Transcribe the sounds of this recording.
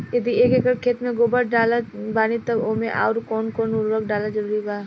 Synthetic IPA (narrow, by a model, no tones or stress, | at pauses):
jɐd̪ʱieːkekəʈkʰeːt̪mẽɡoːbəʈɖaːlabaːnit̪ɐkoːmẽʔa̰ːʊɾkɔːnkɔːnʊɾɾək̚ɖaːlad͡ʒɐɾuːɾibaː